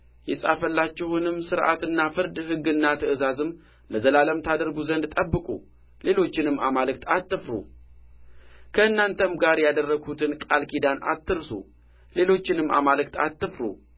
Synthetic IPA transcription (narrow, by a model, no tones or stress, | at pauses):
jɛsʼafəlːat͡ʃːɪhunɨmsɨɾʔa̰t̪ɨnːafɨɾd̪hɨɡːɨnːat̪ʰəɨzazɨm | ləzəlaləmt̪ʰad̪əɾɡuzənd̪t̪ʼəbːɨkʼṵ | le̞lo̞t͡ʃːɪnɨmːamalɨk̚t̪ʰat̪ːɨfɾṵ | kʰəɨnːant̪ʰəmɡaɾjad̪ərːəɡʰut̪ʰɨnkʼa̰lkʰid̪ana̰t̪ːɨɾsṵ | le̞lo̞t͡ʃːɪnɨmːʔa̰malɨkt̪a̰t̪ːɨfɾṵ